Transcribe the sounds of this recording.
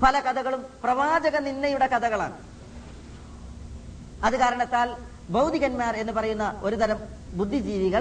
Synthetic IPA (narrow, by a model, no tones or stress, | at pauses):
pɐlɐkɐd̪ʰʱɐɣɐɭumprɐʋaːd͡ʑɐɣɐninːɐjuɽe̞kɐd̪ɐɣɐɭa̰ːɳɨ | ɐðɨkaːɾɐɳɐt̪ːaːl | bɐwd̪ʱiɣɐnmaːre̞nːɨpɐrɐjunːɐo̞ɾud̪ɐɾɐm | bud̪ʱːid͡ʑiːʋiɣɐɭ